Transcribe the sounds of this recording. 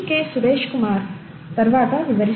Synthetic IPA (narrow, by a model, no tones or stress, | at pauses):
keːsuɾeːʃkumaːɾ | t̪ɐɾʋaːt̪ɐʋiʋɐɾi